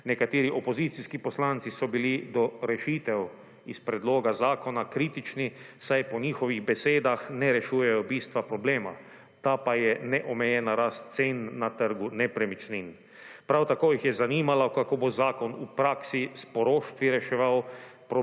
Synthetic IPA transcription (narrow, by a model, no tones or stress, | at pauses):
nɛkat̪eːɾiʔopozit̪siskipɔslant̪sisɔbilid̪ɔɾɛʃit̪ɛw | ispɾɛd̪loːɡazaːkɔnakɾiːt̪it͡ʃni | sajpɔɲiːxɔʋiɣbɛseːd̪axnɛɾɛʃuːjɛjɔbiːst̪ʋapɾɔbleːma̰ | t̪apajɛnɛʔɔmɛjɛnaɾast̪̚seːnːat̪əɾɡunɛpɾɛmit͡ʃnin | pɾawt̪akoːjixjɛzaniːmalakakobozaːkɔnupɾaːksispɔɾoːʃt̪ʋiɾɛʃɛʋawpɾ